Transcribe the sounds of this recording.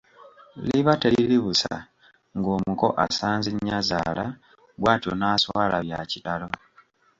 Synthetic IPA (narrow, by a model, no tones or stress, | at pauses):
liβateliliβusa̰ | ŋɡoːmuko̞ʔa̰saːnziɲazaːla | βwaːtionaːswalaβjacitalo̞